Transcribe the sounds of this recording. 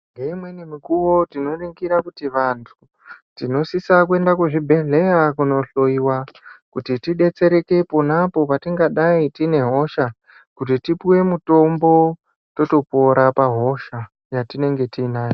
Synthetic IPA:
ŋɡeimwe̞nimikuwo̞tino̞riŋɡiɾakutiʋantʰu | tino̞sisakue̞ndakuʐibʱe̞ɮe̞jakuno̞ɬo̞iwakutitiɗe̞t͡se̞ɾe̞ke̞ponapo̞patiŋɡaɗaitine̞ɦo̞ʃa | kutitipiwe̞muto̞mbo̞ | to̞to̞po̞ɾapaɦo̞ʃa | jatine̞ŋɡe̞tiːnaːjo

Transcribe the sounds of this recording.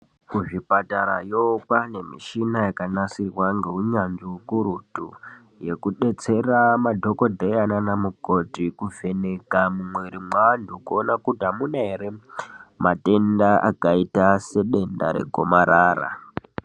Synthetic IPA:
kuʐipataɾa̰jopane̞mḭʃinajakanasirwaŋɡeɦuɲanziukuɾutu | je̞kuɗe̞t͡se̞ramadʱo̞ko̞dʱeananamuɡʱotikuve̞nekamumwe̞ɾimwandʱukuonakutamunaɦeɾemate̞ndaʔakaitase̞ɗe̞nda̰ɾe̞̰ɡʱo̰maɾaːra̰

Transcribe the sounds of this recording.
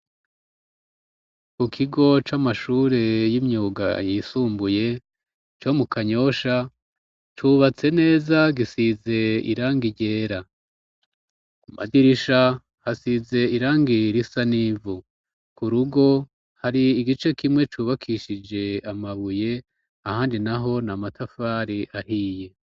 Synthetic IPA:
kukʰiɡo̞t͡ʃamaʃuːɾe̞jimɲuːɡa̰jisuːmbuje̞ | t͡ʃo̞mukaɲo̞ʃa | t͡ʃuβat͡se̞ne̞ːzaɡisize̞ḭɾaːŋɡiɟe̞ːɾa | uma̰diɾiʃa | hasize̞iɾaːŋɡiɾisanivu | kuɾuɡo̞ | haɾiːɡit͡ʃe̞kimŋe̞t͡ʃuβakʰiʃid͡ʒe̞amaβuje̞ | ahaːndinaɦo̞namatʰafaːɾiʔahiːje̞

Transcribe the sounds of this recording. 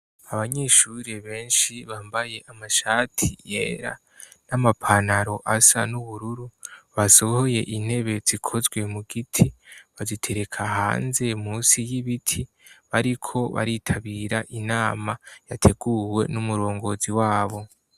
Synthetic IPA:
aβaɲe̞ʃuɾeβe̞ːnʃiβaːmbaje̞ʔamaʃaːtʰḭje̞ːɾa̰ | namapʰanaɾo̞ʔasa̰nuβuɾuɾuβaso̞ho̞je̞ʔin̥he̞βe̞z̥ikʰo̞zwe̞muɡitʰiβazitʰe̞ɾe̞kʰaɦa̰ːnze̞muːsijiβitʰi | βaɾikʰo̞βa̰ɾitʰaβiːɾaʔinaːmajatʰe̞ɡ̥uwe̞̰numuɾo̞ːŋɡo̞ziwaːβo̞

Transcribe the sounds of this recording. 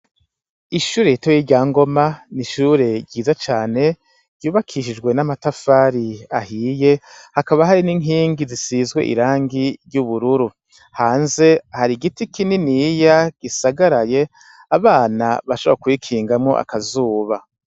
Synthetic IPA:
iʃuːɾe̞jitojiɟaːŋɡo̞maniʃuːɾe̞ɾɟiːzat͡ʃaːne̞ | ɟ̥ɟuːβakʰiʃid͡ʒɡwe̞namatafaːɾiahije̞hakaβaɦaɾiniŋɦiːŋɡizisiːzɡwḛʔḭɾaːŋɡiɾɟuβuɾuɾu | haːnze̞haɾiɡitikininijaɡ̥isaɡaɾaje̞ | aβaːnaβaʃoβakuikʰiːŋɡamŋo̞̰ʔa̰kazuːβa

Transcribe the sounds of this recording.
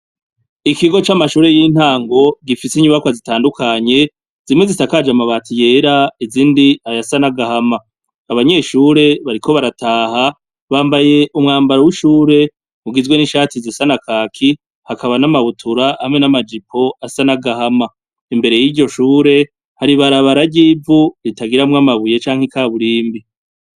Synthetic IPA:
ikiɡo̞t͡ʃamaʃuːɾe̞jin̥haːŋɡo̞ɡifisiɲuβakwazitaːndukʰaɲe̞ | z̥imŋe̞zisakad͡ʒamaβaːtʰije̞ɾaiziːndiajasanaɡahama | aβaɲe̞ːʃuːɾe̞βaɾikʰo̞βaɾatʰaːɦa | βaːmbaje̞ʔumŋaːmbaɾowiʃuːɾe̞ | muɡizwe̞niʃaːtizisanakʰaːkʰi | hakʰaβanamaβutʰuɾahamŋe̞namad͡ʒipʰo̞asanaɡahama | imbe̞ɾe̞jiːɾɟo̞ʃuːɾe̞ | haɾiβaɾaβaɾaɾɟiːvuɾitaɡiɾamŋamaβuje̞t͡ʃaːŋ̥hekaːβuɾiːmbi

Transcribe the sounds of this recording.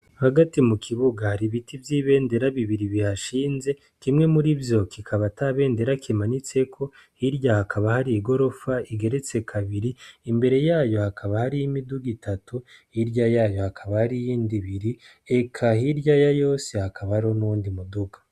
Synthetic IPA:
haɡatimukʰiβuɡahaɾiβitivjiːβe̞ːnde̞ɾaβiβiɾiβihaʃiːnze̞ | kimŋe̞muɾivjo̞kʰikʰaβataβe̞ːnde̞ɾakʰimanit͡se̞kʰo̞ | hiɾjahakʰaβahaɾiːɡo̞ɾo̞faiɡe̞ɾet͡se̞kʰaβiɾiimbe̞ɾe̞jaːjo̞hakʰaβahaɾijimiduɡitʰatuiɾɟajaːjo̞hakʰaβahaɾijiːndiβiɾi | e̞kʰahiɾɟajajo̞ːse̞hakʰaβahɾo̞nuwuːndimuduɡḁ

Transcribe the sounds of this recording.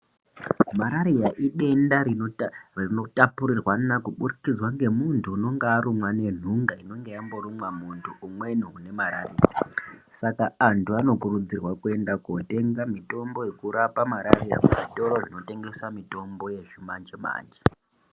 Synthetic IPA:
maɾaɾijaʔiɗe̞nda | rino̞tapuɾirwanakuɓurikid͡zwaŋɡe̞muntʰuːno̞ŋɡeːɾumwane̞n̤uŋɡaino̞ŋɡe̞jambo̞ɾumwamuntʰuːmwe̞nuune̞maɾa̰rḭja̰asakaːntʰuano̞kuɾud͡zirwakue̞ndakute̞ŋɡamito̞mbo̞je̞kuɾapamaɾarija̰kuʐito̞ɾoʐino̞te̞ŋɡe̞swamito̞mbo̞je̞ʐimand͡ʒema̰ːnd͡ʒe

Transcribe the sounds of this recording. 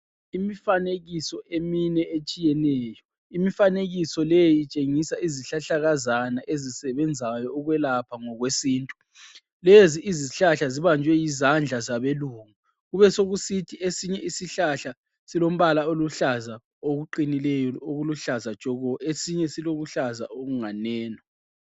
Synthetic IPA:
imifaneɣisɔʔeminɛet͡ʃʼijɛnɛːjɔ | imifaneɣisɔlejit͡ʃʼeŋisaiziɬaɬaɣazanaʔezisɛβɛnd͡zʱajɔːɣwɛlapʰaŋɔɣwesiːntʼu̥ | leziʔːziɬaɬaziβand͡ʒʱwɛjizand͡ɮʱazaβeluːŋa | ɣuβɛsoɣusitʰiʔesiɲɛisiɬaɬa | silom̩βalaoluɬaza | oɣuǃinilɛjɔoɣuluɬazad̥ʒ̥ʱɔɣɔesiɲɛsiloɣuɬaza̰ʔoɣuŋanɛːnɔ

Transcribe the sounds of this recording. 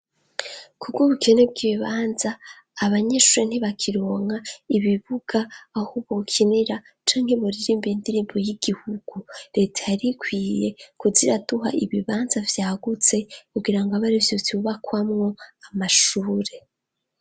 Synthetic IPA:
kubɡoβukʰe̞neb̚ɡiːβiβaːnzaː | βaɲeːʃuːɾen̥iβakʰiɾoːŋaiβiβuɡ̥aːhuβokʰiniɾa | t͡ʃaːŋ̥he̞βuɾiɾiːmbindiɾimbojiɡ̥ihuɡ̥uɾe̞tʰajaɾikʰwiːje̞kuziɾaduɦa̰ʔiβiβaːnzavjaːɡut͡se̞kuɡiɾaŋɡoaβaɾivjoviuβakwamŋo̞amaʃuːɾe̞

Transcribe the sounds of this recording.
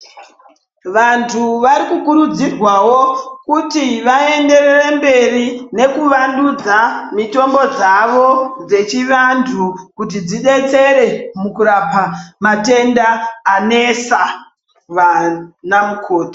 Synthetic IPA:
ʋantʰuʋaɾikukuɾud͡zirwawo̞kutiʋae̞nde̞rerembe̞rine̞kuʋandud͡zamito̞mbo̞d͡zaʋo̞d͡ze̞t͡ʃiʋantʰukut̬id͡ziɗe̞t͡se̞ɾe̞mukuɾapamate̞ndaːne̞sa | ʋanamukʰo̞ːtḁ

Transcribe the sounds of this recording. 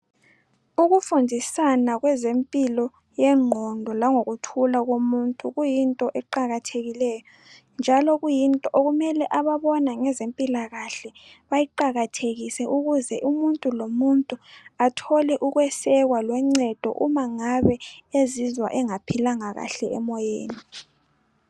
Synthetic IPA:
uɣufundʱisanaɣwɛzempʼilɔ | jɛŋ͡ǃʱɔndʱɔlaŋoɣutʰulaɣomuntʼuɣujintʼɔʔɛǃaɣatʰeɣilɛjɔ | nd͡ʒʱalɔɣujintʼɔʔoɣumɛlɛʔaβaβɔnaŋɛzempʼilaɣaɬɛ | βajiǃaɣatʰeɣisɛʔuɣuzɛʔumuntʼulomuntʼuatʰɔlɛʔuɣwɛsɛɣwalwɛŋ͡ǀɛd̥ʱɔ̰ʔumaŋaβɛezizwa̰ʔɛŋapʰilaŋaɣa̰ɬɛɛmɔjḛːni

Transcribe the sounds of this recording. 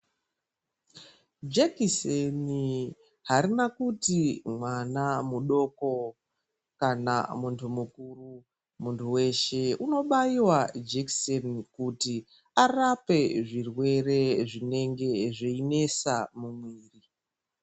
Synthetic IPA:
d͡ʒekiseni | ɦaɾinakutimwanamuɗo̞ko̞ | kana̰muntʰumukuru | muntʰuwe̞ʃe̞uno̞ɓaiwad͡ʒeksonkuti | arape̞ʐirwe̞re̞ʐine̞ŋɡe̞ʐeine̞samumwiːri

